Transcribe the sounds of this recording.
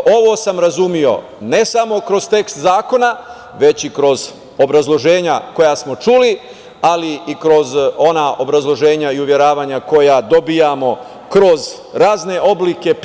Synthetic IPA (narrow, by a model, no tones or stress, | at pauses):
o̞ʋo̞samɾazumio̞̰ | ne̞samo̞kɾo̞zt̪e̞kst̪zaːko̞na | ʋe̞t͡ɕikɾo̞z | o̞bɾazlˠo̞ʒe̞ːɲako̞jasmo̞t͡ʃuli | aliikɾo̞zo̞naʔo̞bɾazlˠo̞ʒe̞ːɲaiuʋje̞ɾaːʋaːɲako̞jad̪o̞bijamo̞ | kɾo̞z | ɾaːzne̞ʔo̞blike̞p